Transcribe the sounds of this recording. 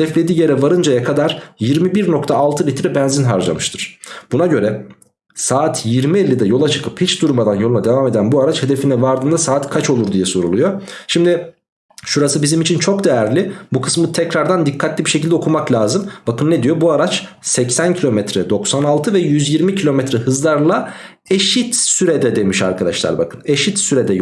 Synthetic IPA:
ɛflʲe̞d̪iːje̞ɾɛvaɾɯnd͡ʒajakʰad̪aɾjiɾmibiɾno̞kt̪ʰaːlˠt̪ʰɯlʲit̪ɾɛbɛnzinɦaɾd͡ʒa̰mɯʃt̪ʰɯɾ̥b̥unaɟø̞ɾɛ | saːt̪ʰjiɾmielʲːid̪ɛjo̞lˠat͡ʃʰɯ̥kʰɯphit͡ʃd̪uɾmad̪anjo̞lˠunad̪e̞vaːme̞d̪ænbuaɾat͡ʃhed̪efinɛvaɾd̪ɯːnd̪asaːt̪kʰat͡ʃo̞lˠuɾd̪ijɛso̞ɾulˠujoʃimd̪ɪ | ʃuɾasɯbizimit͡ʃʰint͡ʃʰo̞k̚d̪ejæɾlʲibukʰɯ̥smɯt̪ʰɛcɾaɾd̪and̪ikʰːat̪lʲibiʃe̞cʰilʲd̪ɛo̞kʰumaklʲaːzɯmbakɯnːed̪ijo̞buaɾat͡ʃ | sɛcsæncʰilʲo̞mɛt̪ɾɛd̪o̞ksanalˠt̪ʰɯvɛjyzjiɾmicʰilʲo̞mɛt̪ɾɛɦɯzlˠaɾlˠa | eʃit̪syɾɛd̪ɛd̪e̞miʃa̰ɾkʰad̪a̰ʃlˠa̰ɾba̰kɯneʃit̪syɾɛd̪ɛ

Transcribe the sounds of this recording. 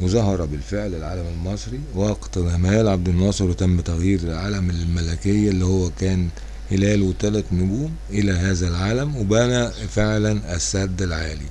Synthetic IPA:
wezɑɦɑɾˤɑbɪlfeʕlelʕaːlæmelmɑsˤɾiwɑːqt̪ælæmæːlʕab̚d̪ɪnːɑːsˤɨɾwet̪æmːɪt̪æɣjiːɾelʕaːlæmælmælækejːʔlːihowːækæːn | helæːlwet̪ælæt̪nʊɡuːmʔɪlæɦæːzælʕaːlæmwebænæfeʕlænʔæsːæd̪ːælʕaːlḭ

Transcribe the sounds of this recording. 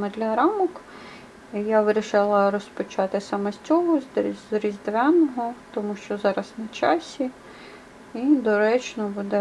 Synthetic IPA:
mɛd̪lʲɐɾɑmɔk | ijaʋɪɾʲiʃɪlˠɐɾɔspɔt͡ʃɑt̪ɪsɐmɐsʲtʲɔɦɔɾʲizʲd̪ʋɛnɔɦɔt̪ɔmuʃt͡ʃɔzɑɾɐsnɐt͡ʃɑsʲi | id̪ɔɾɛt͡ʃnɔbud̪ɛ

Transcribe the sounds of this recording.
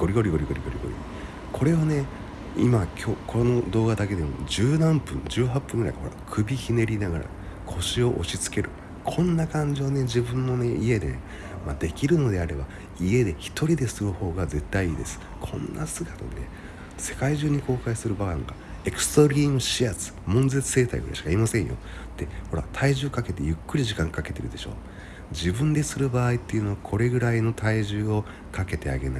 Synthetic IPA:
ɡ̥o̞ɾʲiɡo̞ɾʲiɡo̞ɾʲiɡo̞ɾiɡo̞ɾʲḭɡo̰ɾʲḭ | kʰo̞ɾe̞one̞ | ḭmakʲʰokʰono̞d̪o̞ːɡad̪ake̞d̪e̞mo̞̰d͡ʑɨːnãmpɯ̟̃ŋd͡ʑɨːɦapːɯ̃ŋɡɯɾa̰ihoɾa̰kʰɯ̟bʲiçine̞ɾʲinaɡa̰ɾa̰ | kʰo̞ɕio̞ʔo̰ɕit͡sɨ̥ke̞ɾʔɯ̟ | kʰõ̞nːakãɲ̟d͡ʑione̞d͡ʑibɯ̟̃nːo̞ne̞ie̞d̪e̞̰ | mad̪e̞kʲiɾɯ̟no̞d̪e̞aɾe̞ba | ie̞d̪e̞çi̥t̪o̞ɾʲid̪e̞sɨmɯ̟ho̞ːɡaze̞t̪ːaiiːd̪e̞sɨ̥ | kʰõ̞nːasɨɡat̪ane̞ | se̞̥kaiʑɨːɲ̟iko̞ːkaisɨɾɯ̟baaŋɡa̰e̞kɯ̟̥soɾʲiŋɕiat͡sɨ̥mõ̞nze̞t͡sɨ̥se̞ːt̪a̰ḭɡɯɾa̰ɕi̥kaimasẽɰ̃jo̰ | t̪ːe̞ho̞ɾa̰t̪ʰaiʑɨːkake̞t̪e̞jɯ̟kːɯ̟ɾʲiʑikãŋkake̞t̪e̞ɾɯ̟d̪e̞ɕo̞̰ː | d͡ʑibɯ̟̃nd̪e̞sɨɾɯ̟baːit̪ːe̞iɯ̟no̞akʰo̞ɾe̞ɡɯ̟ɾaino̞t̪ʰaiʑɨːo̞ | kake̞t̪e̞a̰ɡe̞̰na̰i

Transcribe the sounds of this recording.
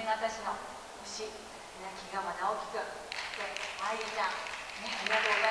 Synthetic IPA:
βat̪aɕino̞ | ɯɕi | enakʲiɡamad̪aokʲi̥kɯ̟t̪ːeaiit̪anejaɾok̪a

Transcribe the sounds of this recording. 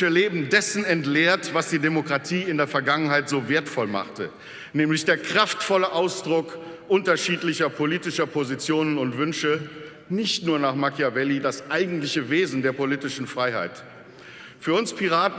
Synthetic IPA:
əleːbm̩dɛsn̩ɛntleːɐtv̥asd̥iːdemokʁ̥atʰiːɪndeːɐfɛɐɡaŋənɦaɪtz̥oːveːɐtfɔlma̰χtə | nɛːmlɪçd̥eːɐkʁ̥aftfɔləʔaʊsd̥ʁʊkʔʊntɐʃiːtlɪçɐpʰoliːtɪʃɐpʰozit͡sjoːnənʊntv̥ʏnʃə | nɪçtnuːɐnaːχmakʰjavɛlidasʔaɪɡŋ̩tlɪçəveːzn̩deːɐpoliːtɪʃn̩fʁ̥aɪha̰ɪt | fyːɐʊnspʰiʁaːt

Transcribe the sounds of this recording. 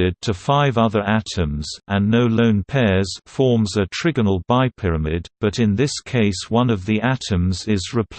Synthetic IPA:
ɪd̚tʰɨfaɪvʌðə˞ʔæɾɨ̃mzʔə̃nːoʊlõʊ̃npʰɛɹz̥fɔɹmzɨtʰɹ̥ɪɡənl̩ˠbaɪpʰɪɹəmɪdb̥ʌɾɨ̃nðɪskʰeɪswʌ̃nʌvðiʔæɾɨ̃mzɪzɹɨpʰ

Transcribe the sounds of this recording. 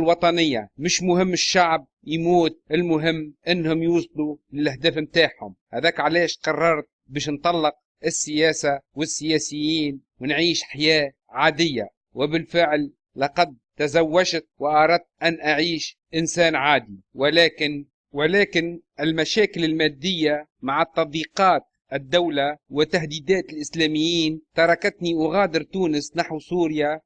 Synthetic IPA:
lwɑt̪ˤɑnɪjːa̰mɪʃmʊhɪmːɪʃːaʕb̚jmuːt̪̚ʔɪlmʊɦɪmːʔɪnːhʊmjuːsˤlulɪlʔahd̪æːfmt̪aːħhʊ̰mhad̪æːkʕaleːʃqɑrˤːɑɾˤt̪̚biːʃnt̪ˤɑlːɪq̚ | ʔɪsːɪjæːsawɪsːɪjæːsɪjːiːn | wɪnʕiːʃħajaː | ʕaːd̪ɪjːa̰ | wɪbɪlfɪʕlː | ɑqɑd̪̚t̪azawːaʒt̪̚wɪʔɑɾˤɑd̪̚t̪̚ʔanʔaʕiːʃ | ʔɪnsaːnʕaːd̪iwɪlaːkɪn | wɪlaːkɪnʔɪlmaʃaːkɪlɪlmaːd̪ːɪjːamaʕɪt̪ˤːɑd̪ˤiːqɑːt̪̚ | ʔɪd̪ːawlawɪt̪aɦd̪iːd̪aːt̪ɪlʔɪslæːmɪjːiːnt̪ɑɾˤɑkat̪niʔʊɣaːd̪ɪɾt̪uːnɪsnaħwsuːɾja

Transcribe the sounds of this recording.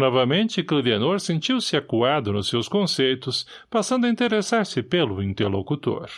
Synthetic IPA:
nɔvɐmẽnt͡ʃɪkled̪ianoɾsẽnt͡ʃiwsɪakuad̪ʊnʊsewskõsejt̪ʊs | pasɐ̃nd̪ʊɐĩnt̪eɾesaɾsɪpelʊĩnt̪eɾlokut̪o̰ɾ

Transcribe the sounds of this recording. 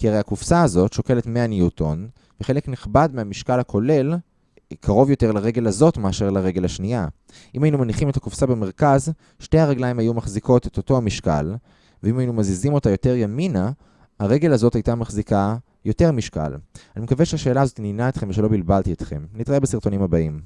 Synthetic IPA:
kiaʁejakufsaːzo̞tʃo̞ke̞letmeaniutʰo̞n | veχe̞le̞kniχbadmeamiʃkalhakʰo̞le̞l | kʰaʁo̞vjo̞te̞ʁlaʁe̞ɡe̞lazo̞tmeaʃe̞ʁlaʁe̞ɡe̞laʃnia | ʔimajinumaniχimetakufsabeme̞ʁkaz | ʃtejhaʁeɡlaimajumaχziko̞te̞to̞to̞amiʃka̰l | veimajinumazizimo̞tajo̞te̞ʁjamina | haʁe̞ɡe̞lazo̞tajtamaχzika | jo̞te̞ʁmiʃka̰lanimekaveʃeaʃeːlaːzo̞t̪ininaet̪χe̞mveʃelo̞bilbaltiet̪χe̞̰mnit̪ʁaebesiʁt̪o̞nimabaim

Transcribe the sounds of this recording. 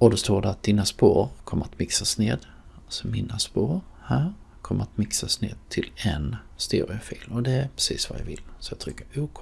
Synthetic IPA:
ɔd̪ɔst̪oːɖæɾat̪̚d̪inaspoːɾkʰɔmːəɾat̪mɪksasneːd̪ | asɔmɪnaspoːɾ | hæːɾ | kʰɔmːəɾat̪mɪksasneːd̪̚t̪ʰɪlɛn | st̪eɾɪʊfiːlmɔd̪ɛæɾpʰɾɛsiːsva̰ja̰vɪlsɔjɑt̪ʰɾʏkːəɾuːkʰ

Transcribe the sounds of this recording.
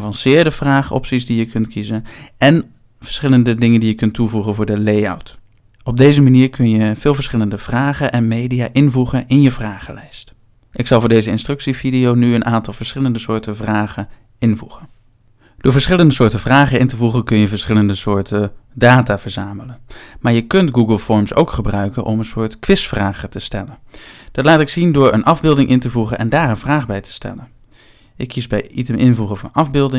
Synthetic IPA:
vɑnsɪːɹdəv̥raːχɔ̰psisdijəkʰɵntkizənʔɛn | vəɹsχɪləndədɪŋəndijəkɵntːuvuχənvʊːɹdəleja̰wt | ɔb̚dejzəmaniːɹkʰɵnjəv̥ɪːlˠvəɹsχɪləndəvraːχənʔɛnmejdijaːʔɪnvuχənʔɪnjəvraːχəlɛjst | ʔɪksɑlˠvʊːɹdejzəɪnstrɵksividiownyənʔaːntɑlˠvəɹsχɪləndəsʊːɹtəvraːχə | ɪnvuχən | d̥ʊːɹvəɹsχɪləndəsʊːɹtəvraːχəɪntəvuχənkɵnjəvəɹsχɪləndəsʊːɹtədaːtaːv̥əɹzaːmələnmaːɹjəkɵntɡuɡəlˠfɔɹmso̰wkχəbrœɥkənʔɔ̰mənsʊːɹtkʋɪsfraːχətəstɛlənd̥ɑtlaːtɪksindʊːɹə̰nʔɑvbɪlˠdɪŋʔɪntəvuχənʔɛ̰ndaːrənvraːχbɛjtə̥stɛ̰lən | ʔɪkʰːisbɛjitəmʔɪnvuχəvɑ̰nɑvbɪlˠdɪ

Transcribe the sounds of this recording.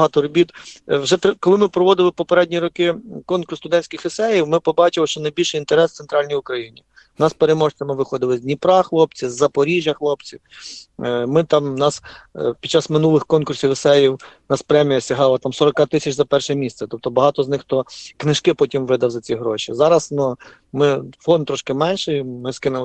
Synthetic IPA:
ɐɦɑt̪ɔɾɔbʲit̪wʒɛt̪kɔlˠɪmɪpɾɔʋɔd̪ɪlˠɪpɔpeɾɛdʲnʲiɾɔkɪkɔnkʊrst̪ʊd̪ɛnʲsʲkʲɪxɪsɛjiwmɪpɔbɑt͡ʃɪlˠɪʃt͡ʃɔnɐjbʲilʲʃɪint̪eɾɛst̪ɛnt̪ɾɑlʲnʲijʊkɾɐjinʲi | nɑspeɾemɔʒt͡sʲɐmɪʋɪxɔd̪ɪlˠɪzʲdʲnʲipɾɑxlˠɔp̚t͡sʲizːɐpɔɾʲiʒʲjɐxlˠɔpt͡sʲiw | mɪt̪ɑmnɑspʲid̚t͡ʃːɑsmɪnulˠɪxkɔnkʊrsʲiwɪsɛjiwnɑspɾɛmʲijɐsʲɐɦɑlˠɐt̪ɑmsɔɾɔkɑt̪ɪsʲɐt͡ʃzɐpɛrʃɛmʲist̪sɛt̪ɔp̚t̪ɔbɐɦɑt̪ɔznɪxt̪ɔknɪʃkɪpɔtʲimʋɪd̪ɐwzɐt͡sʲiɦɾɔʃḭzɑɾɐsnu | mɪfɔndt̪ːɾɔʃkɪmɛnʲʃɛjmɪskɪnʊ

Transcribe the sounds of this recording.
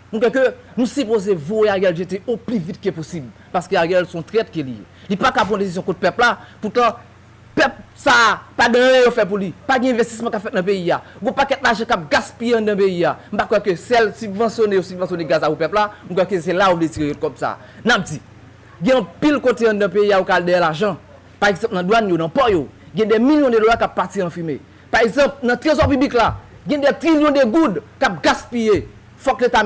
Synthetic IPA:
m̩kwɛkønũsypozevoeajɛlʒet̬eʔoplyvit̚keposibl | paskøajɛlsɔ̃tʁɛt̚kelijḛlipakapʁɔ̃des̬izjɔ̃kɔ̃t̪̚pɛplaput̪ã | pɛp̚sapadɐ̃jɛ̃jofɛt̚p̬ulipaɡɛ̃ɛ̃vest̪i̥smɐ̃kapfɛtnɐ̃peiaɡõpakɛtlaʒãkap̚ɡaspijeɐ̃dãpeiam̩pakwɛkøsɛlsybvɑ̃sjonejosybvɑ̃sjoneɡazaupɛplam̩kwɛkøs̬elaovlet͡siʁejot̚kɔbsa̰ | nap̚d͡zi | ɡɛ̃ɐ̃pilkoteɐ̃dɐ̃peiaokaldeɛlaʒɐ̃ | paʁeɡz̃pnɐ̃dwanjonɐ̃pɔjo | ɡɛ̃dɛmiljɔ̃dedolakapːatiɐ̃fime | paʁeɡzɐ̃pnɐ̃t̪ʁezɔpybliklaɡɛ̃dɛt̪ʁiljɔ̃deɡudkap̚ɡaspije | fɔkleta

